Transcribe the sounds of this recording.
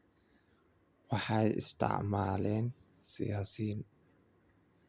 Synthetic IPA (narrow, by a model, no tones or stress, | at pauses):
waħajɪ̰st̪a̰ʔmalɛn | sḭasin